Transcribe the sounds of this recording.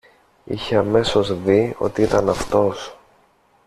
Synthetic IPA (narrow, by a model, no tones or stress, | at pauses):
ḭçe̞ɐme̞so̞zðio̞̰t̪iit̪ɐnɐft̪o̞s